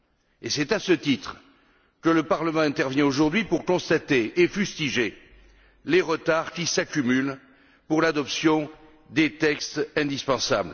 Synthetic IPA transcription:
esɛt̪asət̪it̪χ | kələpaʁləmɑ̃ɛ̃t̪ɛʁvjɛ̃oʒuʁd̪ɥipuʁkɔ̃st̪at̪eʔːfyst̪iʒe | leʁət̪aʁkʲisakʲymyl | puʁlad̪ɔpsjɔ̃ | d̪et̪ɛkst̪ɛ̃d̪ispɑ̃sa̰bl

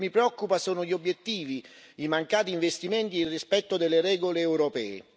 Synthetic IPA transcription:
mipɾeɔkːupasoːnoʎiobːjet̪ːiːviimaŋkaːt̪iːɱvest̪iment̪iːrispɛt̪ːod̪elːeɾɛːɡoleːwɾopɛːḛ

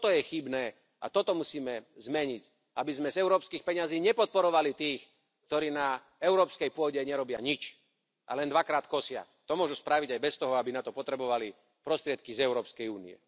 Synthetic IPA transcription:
t̪ɔjɛxibnɛː | ʔa̰t̪ɔt̪ɔmusiːmɛzmɛɲic | ʔabizmɛzɛʊɾɔːpskiːxpɛɲaziːɲɛpɔt̪̚pɔɾɔʋalit̪iːx | k̚t̪ɔɾiːna | ɛʊɾɔːpskɛjpʊɔɟɛɲɛɾɔbɪa̰ɲit͡ʃ | ʔa̰lɛnd̪ʋakɾaːt̪kɔsɪa̰ | t̪ɔmʊɔʒuspɾaʋiɟajbɛst̪ɔɦɔabinat̪ɔpɔt̪ɾɛbɔʋali | pɾɔst̪ɾɪɛt̪̚kizɛʊɾɔːpskɛjuːnḭɛ̰

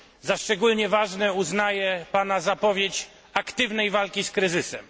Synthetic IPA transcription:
zaʂt͡ʂɛɡulɲɛvaʐnɛuznajɛpanazapɔvʲjet͡ɕ | akt̪ɘvnɛjvalkʲiskɾɘzɘsɛm

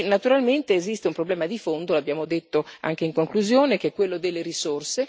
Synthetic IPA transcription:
nat̪uɾalment̪eːzist̪eumpɾoblɛːmad̪ifond̪olabjaːmod̪et̪ːoa̰ŋk̟eiŋkoŋkluzjoːnek̟eɛkːwelːod̪elːeɾisorse

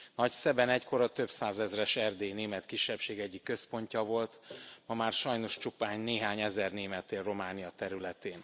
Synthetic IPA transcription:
nɒcsɛbɛnɛckʰo̞ɾɒt̪ø̞bsaːzɛzrɛʃɛrd̪eːneːmɛt̪kiʃːɛpʃeːɡɛɟːikːø̞spo̞ɲcɒvo̞lt̪mɒmaːrʃɒjno̞ʃt͡ʃupaːɲneːɦaːɲɛzɛrneːmɛt̪ːeːrro̞maːnijɒt̪ɛɾylɛt̪eːn

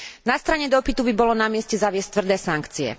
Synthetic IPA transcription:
nast̪ɾaɲɛd̪ɔpit̪ubibɔlɔnamɪɛscɛzaʋɪɛsc̚t̪ʋr̩d̪ɛːsaŋkt͡siɛ̰

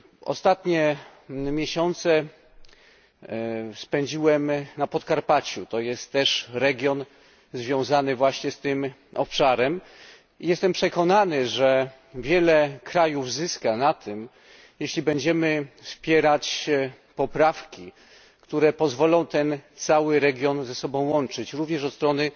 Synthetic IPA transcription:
ʔɔ̰st̪at̪ɲɛmʲjɛɕɔnt̪sɛ | spɛɲd͡ʑiwɛmnapɔt̪kaɾpat͡ɕut̪ɔjɛst̪ːɛʂɾɛɡʲjɔn | zvʲjɔ̃w̃zanɘvwaɕɲɛst̪ɘmɔpʂaɾɛm | ijɛst̪ɛmpʂɛkɔnanɘʐɛ | vʲjɛlɛkɾajuvzɘskanat̪ʰɘm | jɛɕlʲibɛɲd͡ʑɛmɘfspʲjɛɾat͡ɕ | pɔpɾafkʲi | kt̪uɾɛpɔzvɔlɔ̃w̃t̪ɛnt̪sawɘɾɛɡʲjɔnzɛsɔbɔ̃w̃wɔnt͡ʂɘt͡ɕɾuvɲɛʂɔt̪st̪ɾɔnɘ

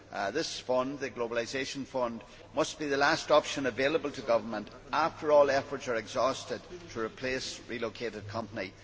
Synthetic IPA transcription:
ðɪsfʌ̃ndðɨɡlobəlˠazeʃə̃nfʌ̃nd | mʌsb̥iðəlastɔpʃə̃nəvelˠəbəl̩ˠtʰəɡʌvə˞mə̃nt | aftʰə˞ɔlˠɛfə˞tsə˞ɛɡzɔstɪd̚tʰəɹɨpʰl̥esɹilˠokʰeɾɨd̚kʰʌ̃mpəni

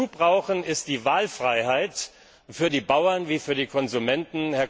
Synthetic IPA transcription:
uːbʁaʊxən̩ɪst̚d̥iːvaːlfʁ̥aɪhaɪt | fyːɐdiːbaʊɐnviːfyːɐdiːkʰɔnzumɛntn̩hɛɐ

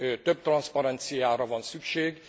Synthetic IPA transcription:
t̪øb̚t̪rɒnspɒɾɛnt̪sijaːɾɒvɒnsykʃeːɡ

